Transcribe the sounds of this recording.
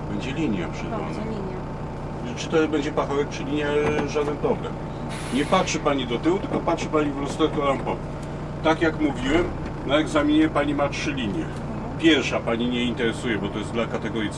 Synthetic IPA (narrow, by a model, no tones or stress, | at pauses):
bɛɲd͡ʑɛlʲiɲja̰pʂɛd̪a̰na̰iɲ | t͡ʂɨ̥t̪ɔɛbɛɲd͡ʑɛpaxɔvɛk̚pt͡ʂɘlʲiɲjaʐad̪ɛnpɾɔblɛ̰m | ɲɛpatʂɛpaɲid̪ɔt̪ɘwut̪ɘlkɔpatʂɛpaɲivlɔst̪ɛkɔlampɔvu | t̪akjakmuvʲiwɛm | naɛɡzamʲiɲɛpaɲimatʂɘlʲiɲjɛ̰ | pʲjɛɾʂapaɲiɲɛint̪ɛɾɛsujɛbɔt̪ɔjɛzd̪lakat̪ɛɡɔɾʲjit̪s